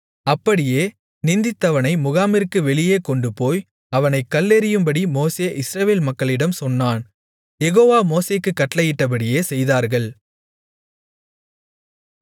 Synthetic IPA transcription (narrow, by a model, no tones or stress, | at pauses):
ɐpːɐɽɪjeː | nɪnd̪ɪt̪ːɐʋɐnɐɪmʊɣaːmɪɾkːɯʋɛɭɪjeːkɔɳɖɯpoːj | ɐʋɐnɐɪkːɐlːeɾɪjɯmbɐɽimoːseːʔɪsɾɐʋeːlmɐkːɐɭɪɽɐmsɔnːaːn | jɛɣoːʋaːmoːseːkːɯkːɐʈːlɐjɪʈːɐp̬ɐɽɪjeːsɛjðaːɾɣɐɭ